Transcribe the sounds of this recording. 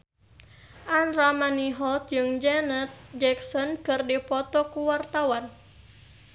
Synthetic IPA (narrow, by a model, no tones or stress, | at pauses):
ʔanɾamaniɦɔlt̪̚d͡ʒɨŋd͡ʒɛnət̪̚d͡ʒɛksɔnkɨrdipɔt̪ɔkuwart̪awan